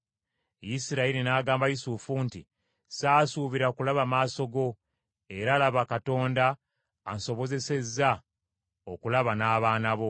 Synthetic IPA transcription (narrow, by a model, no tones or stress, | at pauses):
jisiɾaiɾinaːɡaːmbajisufuntḭ | saːsuːβiɾakulaβamaːso̞ɡo̞ | e̞ɾaːlaβakato̞ːndaː | nso̞βo̞ze̞se̞zːa | okulaβanaːβaːnaβo̞